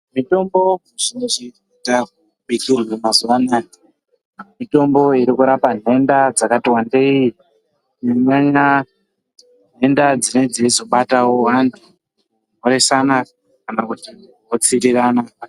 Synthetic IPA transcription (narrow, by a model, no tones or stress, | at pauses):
mito̞mbo̞muʐinet͡ʃi | itak | ɓikurwemazuwanai | mito̞mbo̞iɾikuɾapan̤e̞ndad͡zakatiwandei | neɲaɲa | ne̞ndad͡zine̞d͡zezo̞ɓatawoantʰu | moɾe̞sana | kanakuti | ot͡siɾirana